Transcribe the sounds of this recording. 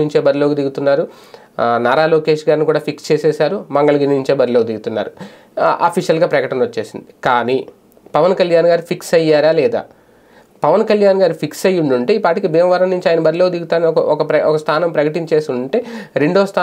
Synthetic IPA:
uɲt͡ʃe̞ːbɐɾiloːɡud̪iɡut̪unːaːɾu | naːɾaːloːkeːʂɡaːɾnikuːɽaːpʰikst͡ʃeːsɛːsaːɾumɐŋɡɐɭɐɡiɾnuɲt͡ʃeːbɐɾiloɡkɐd̪iɡut̪unːa̰ːɾu | a̰ːpʰiʃjɐlɡaːpɾɐkɐʈɐnʋɐt͡ʃːe̞ːsind̪ikaːniː | pɐʋɐnkɐljaːnɡaːɾupʰiksɐjːaːɾaːlɛːd̪a̰ː | pɐʋɐnkɐljaːnɡaːɾupʰiksɐjːuɳɖuɳʈeipaːʈikibɛːmʋɐɾɐmnuɲt͡ʃiaːjɐnɐbɐɾiloːɡd̪iɡut̪aːnɐkɐɔkɐpɾɐɔkɐst̪ʰaːnɐmpɾɐkɐʈiɲt͡ʃeːst̪uuɳʈe̞ːɾe̞ɳɖoːst̪ʰaː

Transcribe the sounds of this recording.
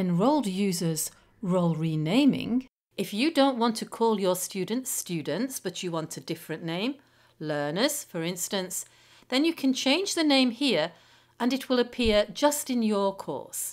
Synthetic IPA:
ɨ̃nɹoʊlˠdjʉzə˞z̥ | ɹoʊlˠɹinẽɪ̃mɪ̰̃ŋ | ɨfjɨdõʊ̃nʔwɑ̃ntʰɨkʰɔlˠjə˞stʉdⁿn̩tstʉdⁿn̩tsb̥ʌt͡ʃɨwɑ̃ntʰɨdɪfɹɨ̃nːẽɪ̃m | lɜ˞nəz̥fə˞ɪ̃nstɨ̃ns | ðɨ̃njɨkʰɨ̃n̩t͡ʃʰẽɪ̃nd͡ʒðɨnẽɪ̃mhiɹ | ʔə̃nɨt̚wɪlˠəpʰɪɹd͡ʒʌstɨ̃njə˞kʰɔ̰ɹs

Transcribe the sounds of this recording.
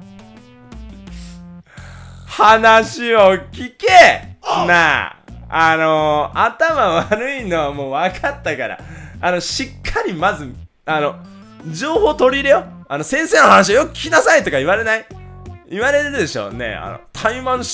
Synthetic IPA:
hanaɕio̞kʲikema | ano̞at̪amaβaɾɯ̟ino̞βamo̞ːβakʰat̪ːakaɾa̰ano̞ɕikʰːaɾʲimazɨ | ano̞ | d͡ʑo̞ːho̞ːt̪o̞ɾʲiɾe̞joano̞sẽ̞ɰ̃seːnohanaɕ̬iojokɯ̟̥kʲi̥kʲinasait̪o̞kaiβaɾe̞naiiβaɾe̞ɾeɾɯ̟d̪e̞ɕo̞̰ːne̞̰a̰no̞̰t̪ʰaimãɰ̃

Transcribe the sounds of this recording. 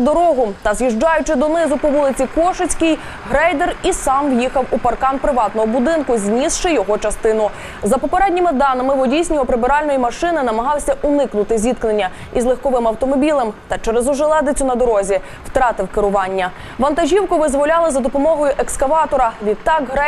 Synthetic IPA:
d̪ɔɾɔɦʊt̪ɐzʲjiʒd͡ʒɑjʊt͡ʃɪd̪ɔnɪzʊpɔʋulˠɪt͡sʲikɔʃʊt͡sʲkɪj | ɦɾɛjd̪erisɑmwjixɐwupɐrkɑnpɾɪʋɑt̪nɔɦɔbʊd̪ɪnkʊzʲnʲisʃɪjɔɦɔt͡ʃɐst̪ɪnʊ | zɐpɔpeɾɛdʲnʲɪmɪd̪ɑnɐmɪʋɔdʲijsʲnʲɔɦɔpɾɪbɪɾɑlʲnɔjimɐʃɪnɪnɐmɐɦɑwsʲɐʔʊnɪknʊt̪ɪzʲid̪knenʲːɐ | izlˠexkɔʋɪmɐwt̪ɔmɔbʲilˠɐmt̪ɐt͡ʃɛɾezʊʒɛlˠɛd̪ɪt͡sʲʊnɐd̪ɔɾɔzʲi | wt̪ɾɑt̪ɪwkɪɾʊʋɑnʲːɐ | ʋɐnt̪ɐʒʲiwkʊʋɪzʋɔlʲɑlˠɪzɐd̪ɔpɔmɔɦɔjʊʔekskɐʋɑt̪ɔɾɐʋʲid̪̚t̪ɑkɦɾɛ

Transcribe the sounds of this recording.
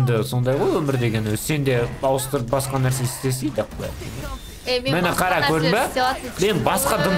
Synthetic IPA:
nd̪ɪso̞nd̪ɑjʁojwɵmɪɾd̪e̞ɡʲe̞nwɵzse̞nd̪e̞ɑwəst̪əɾəp̚bɑsqɑnæɾse̞ɪst̪e̞sejd̪əqʰb̪æ̰j̰t̪ḛne | mɪnɪqʰɑɾɑkʰɵɾd̪ɪmbeme̞nbɑsqɑd̪əm

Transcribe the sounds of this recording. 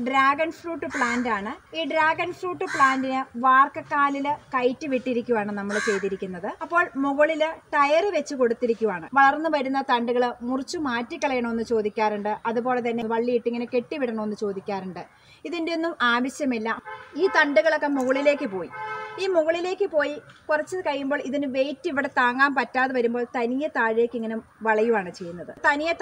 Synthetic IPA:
ɖɾaːɡɐnfruːʈːɨpɭaːndaːɳɨiːɖɾaːɡɐnfruːʈːɨpɭaːndinɨʋaːrkɐkːaːlilɨkɐjtːɨʋiʈːiɾikʲːuʋaːɳɨnɐmːɐɭt͡ɕe̞jt̪iɾikʲːunːɐðɨɐpːo̞ːɭmuɣɐɭilɨʈɐjɐrɨʋe̞t͡ɕːɨko̞ɽut̪ːiɾikʲːuʋaːɳɨʋɐɭɐrnːɨʋɐɾunːɐt̪ɐɳɖuɣɐɭmurɨt͡ɕːumaːtːikʲːɐɭɐjɐɳɐme̞nːɨt͡ɕo̞ːd̪ikʲːaːɾuɳɖɨʔɐðubo̞ːɭe̞t̪ɐnːeʋɐɭːijiʈːiŋːɐneke̞ʈːiʋiɽɐɳɐmnːɨt͡ɕo̞ːd̪ikʲːaːɾuɳɖɨ | iðindeonːumaːʋɐɕjɐmilːɐiːt̪ɐɳɖuɣɐɭokːe̞muɣɐɭile̞ːkːɨpo̞ːjiiːmuɣɐɭile̞ːkːɨpo̞ːjikurɐt͡ɕːɨkɐɻːumbo̞ːɭiðinɨʋe̞jtːiʋiɽe̞t̪aːŋɡaːmpɐtːaːðɨʋɐɾumbo̞ːɭt̪ɐnijɐt̪aːɻle̞ːkːiŋːɐnemʋɐɭɐjumaːɳɨt͡ɕe̞jːunːɐðɨt̪ɐnijɐ

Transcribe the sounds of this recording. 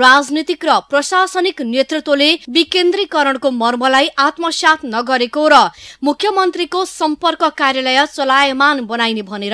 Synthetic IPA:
rad͡znit̪ikrʌprʌsasʌniknjet̪rut̪wolebikend̪rikʌɾʌɽkomʌrmʌlajʔat̪mʌsjat̪ʰnʌɡʌɾekoɾʌmukʰjʌmʌnt̪rikosʌmpʌrkʌkarjalʌjʌt͡sʌlajʌmanbʌnajnebʱʌneɾʌ

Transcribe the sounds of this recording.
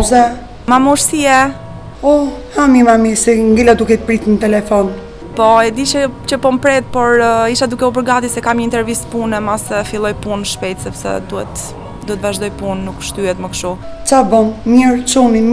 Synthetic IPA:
zɛ | mamɔɾsiɛ | ɔhamimamisɛŋɡilad̪ukɛt̪əpɾit̪nət̪ɛlɛfɔn | pɔɛd̪it͡ʃət͡ɕəpɔmpɾɛt̪̚pɔɾiʃad̪ukɛup̬əɾɡat̪isɛkamɲəint̪ɛɾvispunɛmasɛfilˠɔjpunʃpɛjt̪sɛpsɛ̰d̪uɛ̰t̪ | d̪uɛt̪vaʒd̪ɔjpunːukʃt̪yɛt̪məkʃu | t͡sabɔnmɛɾt͡ʃuni

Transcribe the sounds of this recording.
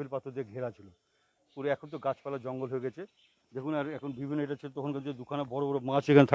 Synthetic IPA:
ilpat̪ʰoɾd̪eɡʱeɾat͡ɕʰilo | puɾeɛkʰont̪̬oɡat͡ɕʰpɛlad͡ʑɔŋɡolɦoeɡɛt͡ɕʰe | d̪ekʰunaɾɛkʰonbibʱinːoeʈat͡ɕʰilot̪ɔkʰonkʰanied̪ukʰanabɔɾobɔɾomãt͡ɕekʰanet̪ʰa

